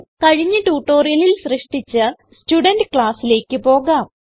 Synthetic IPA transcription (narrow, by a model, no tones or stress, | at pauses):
kɐɻiɲːɨʈuːʈːo̞ːrijɐlilsrɨʂʈit͡ɕːɨ | stuɖɐndɨkɭaːsile̞ːkːɨpo̞ːɣaːm